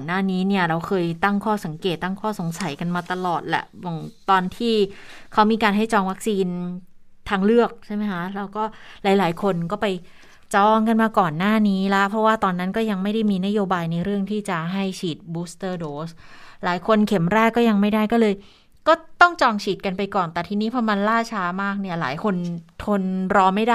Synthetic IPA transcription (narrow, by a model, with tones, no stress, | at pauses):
nːaː˥˩niː˦˥ni˥˩ɐɾa˧wxʰɤː˧jt̪a˥˩ŋkʰɔː˥˩sa˨˩˦ŋkeː˨˩t̪ːa˥˩ŋkʰɔː˥˩so˨˩˦ŋsa˨˩˦jka˧nmaː˧t̪a˧lɔː˨˩t̪̚lɛ̰˨˧˩ʔwɔ˨˩ŋt̪ɔː˧nt̪ʰiː˥˩kʰa˦˥wmiː˧kaː˧nɦa˥˩jt͡ɕɔː˧ŋwa˦˥k̚siː˧n | t̪ʰaː˧ŋlɯ˥˩ək̚t͡ɕʰa˥˩jma˦˥jkʰa˦˥lɛː˦˥wkɔː˥˩laː˨˩˦jlaː˩˦jkʰo˧nkɔː˥˩pa˧j | t͡ɕɔː˧ŋka˧nmaː˧kɔː˨˩nːaː˥˩niː˦˥la˦˥pʰɾɔ˦˥waː˥˩t̪ɔː˧nːa˦˥nkɔː˥˩ja˧ŋma˥˩jda˥˩jmiː˧na˦˥joː˧baː˧jna˧jɾɯ˥˩əŋt̪ʰiː˥˩t͡ɕa˨˩ɦa˥˩jt͡ɕʰiː˨˩t̪̚buː˦˥st̪ɤː˧˩doː˨˦slaː˩˦jkʰo˧nkʰe˩˦mɾɛː˥˩kːɔː˥˩ja˧ŋma˥˩jdaː˥˩jkɔː˥˩lɤː˧j | kɔː˥˩t̪ɔ˥˩ŋt͡ɕɔː˧ŋt͡ɕʰiː˨˩t̪̚ka˧npa˧jkɔː˨˩nt̪ɛː˨˩t̪ʰiː˧niː˦˥pʰɔ˧˥ma˧nlaː˥˩t͡ɕʰaː˦˥maː˥˩k̚ni˥˩ɐla̰ː˩˦jkʰo˧nt̪ʰo˧nɾɔː˧ma˥˩jda˥˩